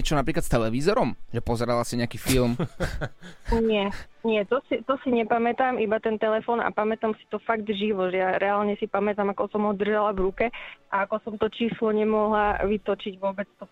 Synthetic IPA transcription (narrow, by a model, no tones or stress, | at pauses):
ɛt͡ʃɔnapɾiːklat̪st̪ɛlɛʋiːzɔɾɔmʒɛpɔzɛɾalasiɲɛakiːfilˠm | ɲɪɛɲɪɛt̪ɔsit̪ɔsiɲɛpamɛt̪aːmʔibat̪ɛnt̪ɛlɛfɔːna̰pamɛt̪amsi̥t̪ɔfaɡd̪ʒiʋɔʒɛjaɾɛaːlɲɛsipamɛt̪amakɔsɔmɦɔd̪r̩ʒalavɾukɛʔaakɔsɔmt̪ɔt͡ʃiːslɔɲɛmɔɦlaʋit̪ɔt͡ʃiɟʋʊɔbɛt͡st̪ɔ